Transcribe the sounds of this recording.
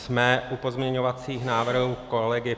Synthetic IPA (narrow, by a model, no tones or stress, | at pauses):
smɛʔupo̞zmɲɛɲovat͡siːxnaːvr̩ɦɦuːkolɛɡɪ